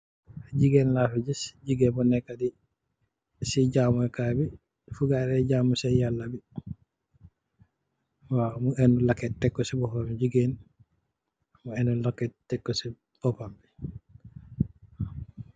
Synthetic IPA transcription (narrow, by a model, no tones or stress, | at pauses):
d͡ʒiɡɛnlafid͡ʒisd͡ʒiɡɛbɔnɛkːadi | sid͡ʒaːmuɛkaːbi | fuɡaɾɛɟaːmusɛjalːabi | wamuɛnulakːɛtɛkːɔsibɔpamd͡ʒiɡɛn | muɛnulɔkːɛtɛkːɔsi | b̥ɔpambi